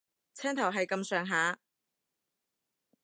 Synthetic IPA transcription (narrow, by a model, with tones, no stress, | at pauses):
t͡sʰɛː˥ŋt̪ʰɐ˨˩wɦɐ˨jkɐ˧msœː˨ŋɦaː˨˧˥